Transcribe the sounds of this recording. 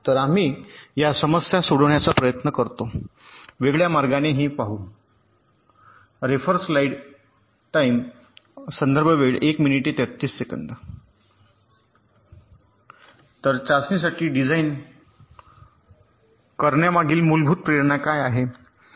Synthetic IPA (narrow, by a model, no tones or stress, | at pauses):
t̪əɾam̤iːjasəməsjasoɽʋɳjat͡sapɾəjət̪nəkəɾt̪o | ʋeɡɭjamaɾɡaneɦiːpaɦuː | ɾefəɾslaiɽ | ʈaim | sənd̪əɾbʱəʋeɭekminiʈet̪jət̪ːiːsːekə̰nd̪ə | t̪əɾt͡ɕasnis̬aʈiːɖid͡zaiːn | kəɾɳjamaɡiːlmulbʱuːt̪̚pɾeɾɳakajaɦe